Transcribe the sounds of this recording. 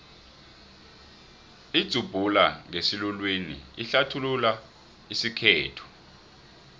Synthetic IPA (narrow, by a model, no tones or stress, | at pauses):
id̥z̥ʱub̥ʱulaŋesilulwinḭiɬatʰulula | isikʰɛːtʰɔ̥